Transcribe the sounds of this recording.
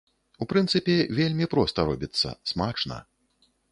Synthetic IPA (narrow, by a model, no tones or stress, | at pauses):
upɾɨnt̪sɨpʲɛvʲelʲmʲipɾɔst̪ɐɾɔbʲit̪sːɐ̰smat͡ʂnɐ̰